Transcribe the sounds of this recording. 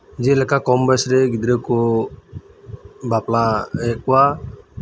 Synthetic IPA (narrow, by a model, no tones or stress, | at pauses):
d͡ʒɛlɛkakɔmbɛsɾɛɡid̪ɾɛkɔ | baplaɛkɔwa